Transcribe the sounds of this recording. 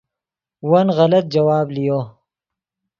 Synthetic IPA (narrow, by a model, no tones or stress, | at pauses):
wɐnɣɐlɐt̪̚d͡ʒɐwaːblijo